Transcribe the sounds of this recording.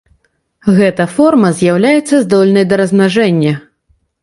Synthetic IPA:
ɣɛt̪ɐfɔrmɐzʲjawlʲajɛt̪sːɐzd̪ɔlʲnɐjd̪ɐɾɐznaʐɛnʲːɐ

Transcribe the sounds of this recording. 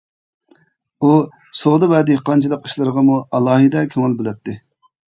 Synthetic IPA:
u | soʁd̪ɨbɛd̪ɪhqʰɑnt͡ʃʰilˠəqi̥ʃlˠɨɾəʁɑmuʔɑlˠɑːɦid̪ɛkʲʰøŋɪlˠbɪlɛt̪ʰːɪ

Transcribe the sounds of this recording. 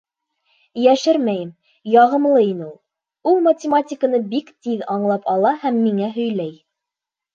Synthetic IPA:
jæʃɘɾmæjɘm | jɑʁɤ̆mlˠɤinɘulˠ | ulˠmɐtʲɪmatʲɪkənɤbikt̪iðɑɴlˠɑpɑlˠɑhæmːiŋæɦɵ̆jlæj

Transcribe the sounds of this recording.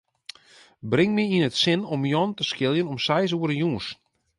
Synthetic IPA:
brɪŋmɪinətsɪnɔmjɔntəskɪlˠjənɔmsɛjs̬uəɾəjuəs

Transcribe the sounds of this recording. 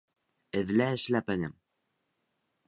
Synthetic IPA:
ɘ̆ðlæɘʃlæpɘnɘm

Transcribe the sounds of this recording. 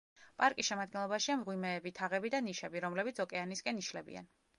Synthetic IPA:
pʼaɾkʼisʃɛmad̪̚ɡɛnlˠɔbaʃiamʁwimɛːbit̪ʰaʁɛbid̪aniʃɛbiɾɔmlɛbit̪sʰɔkʼɛaniskʼɛniʃlɛbḭa̰n

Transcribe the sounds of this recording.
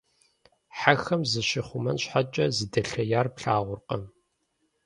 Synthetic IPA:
ħaxɐmzɨɕɪχʷʊmɐnɕħat͡ʃʼɐzɨdɐɬɐjaːrpɬaːʁʷʊrqʼɐm

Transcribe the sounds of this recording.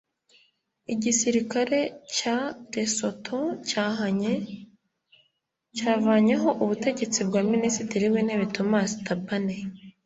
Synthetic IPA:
iɟisiɾikaɾe̞caɾe̞so̞tʰocaːhaɲe | caːvaːɲeɦo̞ʔuβute̞ɟe̞t͡sib̚ɡaːminisitiɾiweneβitomaːsi̥tabane

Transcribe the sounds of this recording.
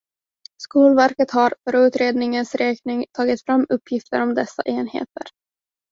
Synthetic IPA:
skuːlvæɾkət̪haɾfœɾʉ̟ːt̪ɾeːd̪nɪŋənsɾɛːknɪŋt̪ʰɑːɡɪt̪fɾamːɵpʰːjɪft̪əɾɔmd̪ɛsːa̰ʔeːnhḛːt̪ə̰ɾ

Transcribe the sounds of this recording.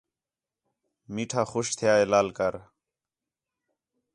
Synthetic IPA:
miːʈʰaːxʊʃt̪ʰɪjaːeːlaːlkəɾ

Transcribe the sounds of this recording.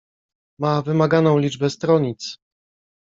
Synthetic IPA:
mavɘmaɡanɔ̃w̃lʲid͡ʐbɛst̪ɾɔɲit̪s

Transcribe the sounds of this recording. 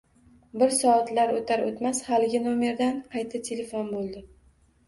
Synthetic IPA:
bɪɾsɒat̪laɾot̪ʰaɾot̪mashalɪɡʲɪnome̞ɾd̪anqʰɑjt̪ʰat̪ʰele̞fonbolˠd̪ɪ

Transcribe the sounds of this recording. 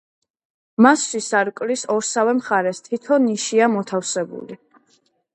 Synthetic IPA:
masʃisaɾkʼlisɔɾsavɛmχaɾɛst̪ʰit̪ʰɔnːiʃiamɔt̪ʰafsɛbṵli

